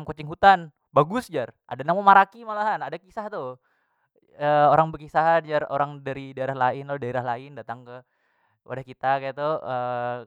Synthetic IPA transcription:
ŋkot͡ʃɪŋɦut̪an | baɡʊsd͡ʒarʔa̰danamomaɾakimalaɦanadakisaht̪ʊ | əoɾaŋbəkisaɦd͡ʒaro̰ɾaŋdaɾidaeɾahlaɪnlodaeɾahlaɪndat̪aŋkə | wa̰dahkit̪akajat̪uə

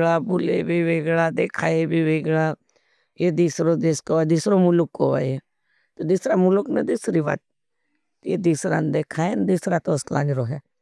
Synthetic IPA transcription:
ɭaːbʊlḛbʱiʋeːɡɭad̪eːkʰaːebʱiʋeːɡɭa | jed̪isɾod̪eskoʋad̪ɪsɾomʊlʊkːoʋa̰ːe | t̪od̪ɪsɾamʊlʊknəd̪ɪsɾiʋa̰t̪̚ | jed̪isɾa̰nd̪eːkʰaːend̪ɪsɾat̪oskla̰ːniɾoːɦɛː

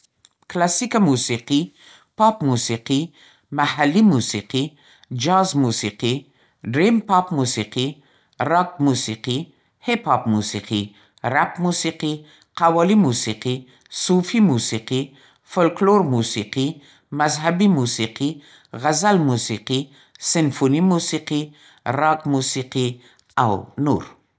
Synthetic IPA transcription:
klasikamusiqi | pɑpmusiqi | mahalːimusiqi | d͡ʒɑzmusiqi | ɖɾimpɑpmusiqi | ɾɑk̚musiqi | hepʰɑpmusiqi | ɾapmusiqi | qawɑlimusiqi | sufimusiqi | folkloɾmusiqi | mazɦabimusiqi | ɣazalmusiqi | sɪnfonimusiqi | ɾɑkmusiqi | a̰wnṵɾ

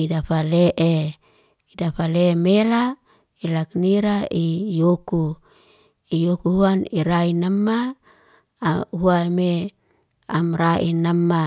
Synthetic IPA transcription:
idafaleʔe | idafalemela | ilakniɾaijoku | ijokuhuaniɾainamːa | ɦuame | amraʔinamːa

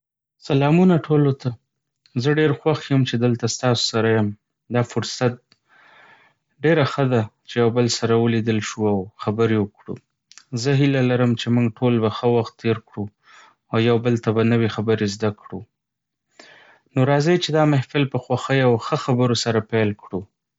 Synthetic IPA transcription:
salɑmunaʈʰolot̪a | zəɖeɾxwaxjəmt͡ʃed̪əlt̪ast̪ɑso̥saɾajəm | d̪ɑfʊɾsat̪̚ | ɖeɾaxəd̪at͡ʃejawbəlsaɾawəlid̪əlʃuawxabəɾewəkɽṵ | zəɦɪlalaɾəmt͡ʃemuŋɡʈʰolbaxəwaxt̪ːeɾkɽu | awjawbəlt̪abanəwexabəɾezd̪akɽu | noɾɑzet͡ʃed̪ɑmɪhfɪlpəxwaxəjawxəxabəɾosaɾapelkɽu

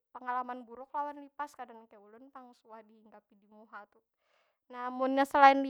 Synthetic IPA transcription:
pəŋalamanbuɾʊk̚lawanlipaskadankajulʊnp̪aŋsuahdihiŋɡapidimuɦat̪u | namʊnɲasəlaɪnli

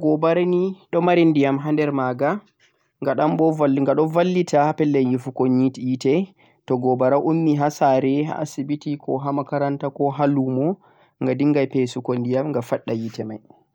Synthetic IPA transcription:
ɡɔbaɾaniɗɔmaɾindijamɦandɛɾmaɡa | ŋɡaɗambɔaŋɡaɗɔvalːitʰapɛlːɛjifukoɲitijitɛ | tɔɡɔbaɾaʔumːiɦasaɾɛɦa̰a̰sibitikɔɦamakaɾantakɔɦalumɔ | ŋɡadiŋɡajpesukondijamŋɡafaɗːajitɛma̰j

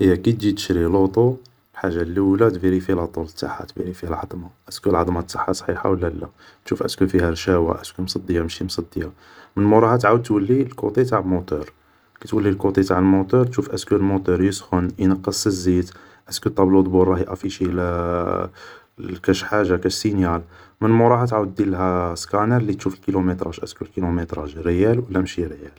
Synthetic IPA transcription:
ʔəjːækit̪d͡ʒit̪əʃɾilot̪ˤu | lħaʒːalːiwlæt̪biɾifilɑt̪ˤulət̪ːa̰ħa̰t̪bḭɾifihælʕɑd̪ˤmɑʔæskulʕɑd̪ˤmɑt̪ːɑħːɑsˤħiħa̰wəlːælæ | t̪ʃufʔæ̰skufihæɾʃæwa̰ʔæskumsˤɑd̪ˤːjamʃimsˤɑd̪ːija | mənmuɾˤɑhɑt̪ʕawəd̪̚t̪wəlːilkut̪ˤit̪aʕəlmot̪uɾ | kæt̪wəlːilkut̪ˤit̪aʕəlmot̪uɾˤt̪ʃufʔæskulmot̪ˤuɾjəsxʊnʔinɑqːəsˤəzid̪ | ʔæskut̪ˤːɑblud̪ˤbuɾˤːɑhiʔæfiʃil | kæʃħaʒːakæʃsinjæl | mənmʊɾˤɑhɑt̪ʕawəd̪ːilɦæskɑnəɾlːit̪ʃufəlkilumət̪ɾˤɑʒʔæ̰skulkilomət̪ɾˤɑʒɾəjælwəlːæmʃiɾjæl

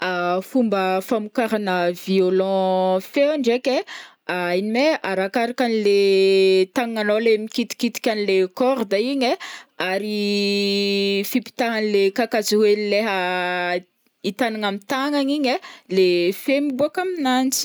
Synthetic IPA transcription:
afumbəfamukaɾanəviolɑ̃feaɳɖ͡ʐeke | ainimeʔaɾakaɾakanile | t̪aŋŋanolemikit̪i̥kit̪i̥kʲanilekɔɾd̪aiɲeaɾi | fipi̥t̪aɦanilekakaziwelileɦə | it̪anaŋamit̪aŋaɲiɲelefemibuakaminant͡si̥

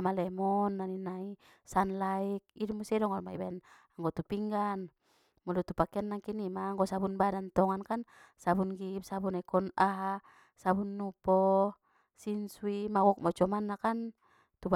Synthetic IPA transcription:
malɛmɔnːaninai | sanlaik̚idumusiɛdɔŋɔlmaibaɛn | aŋɡɔt̪upiŋɡan | mɔlut̪upakɛanːaŋkinimaːŋɡɔsabunbadant̪ɔŋankansabunɡip̚sabunaikɔnaɦa | sabunːupɔ | sinsuimawɔk̚mɔt͡ʃɔmanːakan | t̪ub

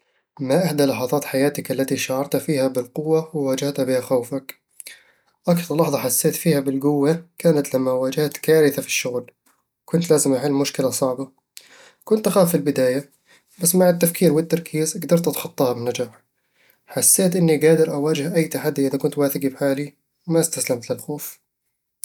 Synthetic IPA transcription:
maʔaħd̪alɑħɑðˤɑːt̪ħajaːt̪ɪkʔalːat̪iʃaʕɑɾˤt̪afiːhabɪlqʊwːawɪwaːd͡ʒaht̪habɪhaxawfak | ʔakθɑɾˤlɑħðˤɑħasːeːt̪fiːhabɪlɡʊwːakaːnat̪lamːawaːd͡ʒaht̪kaːɾɪθafi̥ʃːʊɣl | kʊnt̪laːzɪmʔaʕɪlːmʊʃkɪlasˤɑʕba | kʊnt̪ʔaxaːfːɪlbɪd̪aːja | basːmaʕɪt̪ːafkʰiːɾwɪt̪ːɑɾˤkʰiːzʔaɡd̪ɑɾˤt̪ʔat̪ħɑt̪ˤːɑːhɑbɪnːad͡ʒaːħ | ħasːeːt̪ʔɪnːiɡaːd̪ɪɾʔawaːd͡ʒɪhʔajːt̪aħad̪ːiʔɪðakʊnt̪waːθɪɡibħaːli | wmast̪aslamt̪lɪlxoːf

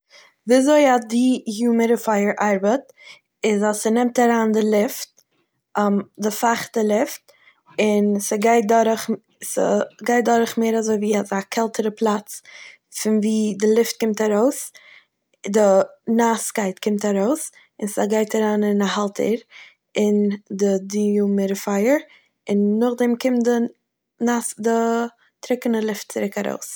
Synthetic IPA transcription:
viazoɪadɪjuːməɾəfaɪəɾʔaɾbət | ɪzasənɛmtaɾaːndɪlˠɪft̚ː | mdɪfaχtəlˠɪft̚ | ɪnsəɡaɪt̚dɔɾəχ | sə̰ɡaɪt̚dɔɾχmeːɾazoɪviːazakʰɛlˠtʰəɾəpʰlˠat͡s | fɪnviːdɪlˠɪft̚kɪmtaɾoʊs | dɪnaskaɪtkʰɪmtaɾoʊs | ɪnsaɡaɪtaɾaːnɪnahalˠtʰə̰ɾ | ɪndɪdiumɪɾəfaɪəɾ | ɪnːʊχdɛmkɪmtdɪ | nasdɪ | tɾɪkənəlˠɪft̚t͡sɪɾɪkaɾo̰ʊs

